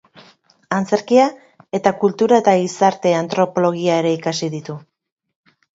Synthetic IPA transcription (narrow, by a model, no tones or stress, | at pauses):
ant͡se̞ɾkia | e̞t̪akult̪uɾae̞t̪aɣisaɾt̪e̞ant̪ɾo̞po̞lo̞ɣ̞iae̞ɾe̞ikasiðit̪u